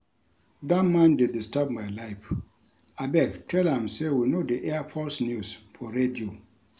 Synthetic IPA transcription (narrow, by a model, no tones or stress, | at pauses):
datmãndedistab̚majlaɪf | abɛktʰɛlãmsewinodiʔɛapʰɔsnjusfʰɔɹedio